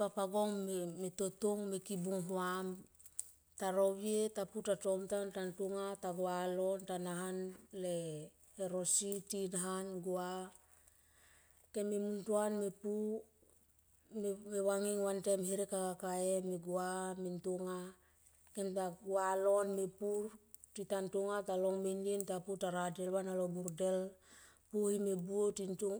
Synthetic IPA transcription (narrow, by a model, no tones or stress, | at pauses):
papaɡoŋmetotuŋmekibuŋɦuam | taɾowietaputato̞mtantantuŋataɡualontanaɦanle | eɾo̞sitinaɦanɡua | kemimuntuanmepu | mewaŋiŋwantemhiɾekakakaemeɡuamintuŋa | kentaɡualo̞nmepuɾ | titantuŋataloŋminintaputaɾadelwanalobuɾdel | puhimebuotintu